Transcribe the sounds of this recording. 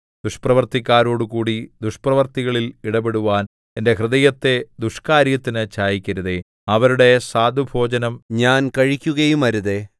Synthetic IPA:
d̪̥uʂprɐʋɐrt̪ikʲːaːɾo̞ːɽukuːɽid̪uʂprɐʋɐrt̪iɣɐɭiliɽɐbe̞ɽuʋaːn | ende̞ɦrɨðɐjɐt̪ːe̞d̪uʂkaːɾjɐt̪ːinɨt͡ɕaːjikʲːɐɾuðe | ɐʋɐɾuɽe̞saːd̪ʱubʱo̞ːd͡ʑɐnɐmɲaːnkɐɻikʲːuɣɐjumɐɾuðe

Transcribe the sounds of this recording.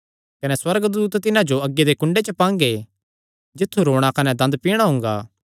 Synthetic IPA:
kɐnɛswɐɾɡd̪uːt̪t̪ɪnãd͡ʒoɐɡːed̪ekʊ̃ɳɖet͡ʃəpãːŋɡe | d͡ʒɪt̪ʰːuɾoːɽ̃akɐnɛd̪ɐ̃nd̪piːɽ̃aɦʊ̃ːŋɡa̰ː

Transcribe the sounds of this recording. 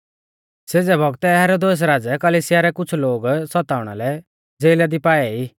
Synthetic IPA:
seːd͡zɛbʱɔɡt̪ɛɦɛːɾod̪eːs̬ɾaːd͡zɛkɐliːsɪjaɾɛkʊt͡ʃʰloːɡsɔt̪aːʊɽ̃a̰lɛ | d͡zeːlad̪ipaːɛiː

